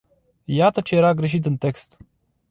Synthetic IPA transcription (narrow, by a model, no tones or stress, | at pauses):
jat̪ət͡ʃe̞jeɾaɡɾe̞ʃ̬it̪̬ɨnt̪e̞kst̪